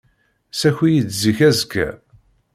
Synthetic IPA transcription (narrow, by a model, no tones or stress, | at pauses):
sæçijət͡sziçæzkːæ̰